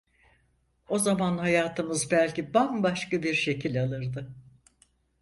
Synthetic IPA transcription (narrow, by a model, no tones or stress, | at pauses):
o̞zamanhajaːt̪ʰɯmɯzbælʲcibambaʃkabiɾʃe̞cʰilʲalˠɯɾd̪ɯ